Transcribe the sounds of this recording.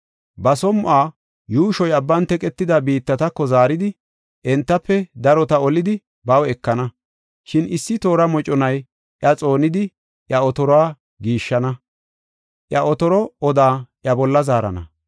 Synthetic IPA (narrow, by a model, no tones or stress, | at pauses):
bɐsɔmʊʔaː | juːʃɔjɐbːɐnt̪ɛkʼɛt̪ːɪd̪ɐbiːt̪ːɐt̪ɐkːɔzaːɾɪd̪ɪ | ʔɛnt̪ːɐpːɛd̪ɐɾɔt̪ɐɔlɪd̪ɪ | bɐwɛkːɐnɐ | ʃɪnɪsːɪt̪o̞ːɾɐmɔt͡ʃʼɔnɐj | ʔjɐt͡sʼo̞ːnɪd̪ɪ | ʔjɐɔt̪ɔɾɔaː | ɡiːʃːɐnɐ | ʔjɐʔɔt̪ɔɾɔɔd̪aːʔjɐbɔlːɐzaːɾɐ̰nɐ̰